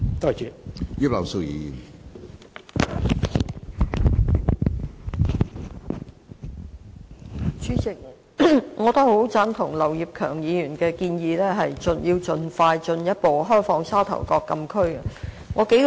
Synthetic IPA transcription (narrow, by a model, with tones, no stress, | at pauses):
t̪ɔ˧jt͡ʃy˨jiː˥p̚lɐ˨˩wso˧wjḭː˨˧jy˨˩ | t͡ʃyː˨˥t͡sɪ˨˩k̚ | ŋɔː˨˧t̪ɐ˥k̚ho˨˥wt͡saː˥nt̪ʰʊ˨˩ŋlɐ˨˩wjiː˨p̚kʰœː˨˩ŋjiː˨˧jyː˨˩nkɛː˧kiː˧njiː˨˧lɛː˥ɦɐ˨jt͡ʃɵ˨˧njiː˧wt͡ʃɵ˨nfaː˧jt͡ʃɵ˧njɐ˥t̚po˨wɦɔː˥jfɔː˧ŋsaː˥wt̪ʰɐ̰˨˩wkɔː˧kːɐ˧mkʰɵ˥ɥɐ˨ | ŋɔː˨˧ke˨˥